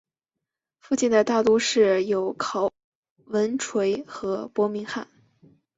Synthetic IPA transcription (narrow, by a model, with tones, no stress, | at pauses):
fu˥˧t͡ɕi˥˩nd̪ə˩t̪a˥˩t̪u˥ʂɻ̩˥˩jo˨˧˥ʊkʰɑ˨˩ʊ | wə˧˥nʈ͡ʂʰwe˧˥ɪxɤ˧˥pwɔ˧˥mi˧˥ŋxa˥˩n